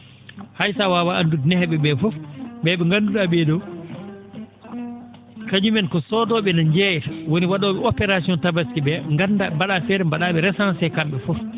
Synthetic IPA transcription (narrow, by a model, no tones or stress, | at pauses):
hajsawawaandudnɛhɛɓɛbɛfɔfɓɛɓɛŋɡanduɗaɓɛdɔ | kad͡ʒumɛnkɔsɔdɔɓɛnaɲd͡ʒɛjɛtwoniwaɗɔːɓɛɔpɛɾasiɔntabaskiɓɛŋɡandambaɗafɛːɾɛmbaɗaɓɛɾɛsansɛjkamɓɛfɔf